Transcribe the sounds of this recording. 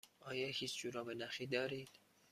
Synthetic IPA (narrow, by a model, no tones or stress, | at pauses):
ʔɒːjɒːhiːt͡ʃʰd͡ʒuɾɒːbenæʃiːd̪ɒːɾiːd̪̥